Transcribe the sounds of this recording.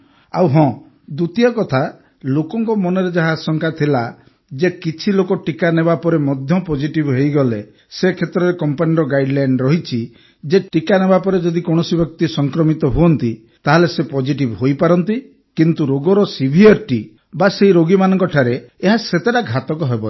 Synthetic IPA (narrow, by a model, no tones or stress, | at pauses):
a̰wɦɔ̃ | d̪ut̪iɔkɔt̪ʰa | lokɔŋkɔmɔneɾed͡ʒaɦaːsɔŋkʰat̪ʰila | d͡ʒekit͡ʃʰilokɔʈikanebapɔɾemɔd̪ʱjɔpɔd͡ʒiʈibɦejɡɔle | sekʰet̪ɾɔɾekɔmpaniɾɔɡajɖlajɳɖɾɔɦit͡ʃʰi | d͡ʒeʈikanebapɔɾed͡ʒɔd̪ikɔɽ̃ɔsibjɔk̚t̪isɔŋkɾɔmit̪ɔɦuɔnt̪i | t̪aɦelesepɔd͡ʒiʈibɦojpaɾɔnt̪i | kint̪uɾoɡɔɾɔsibʱieɾʈi | baseiɾoɡimanɔŋkɔʈʰaɾeːɦaset̪eɾaɡʱat̪ɔkɔɦebɔle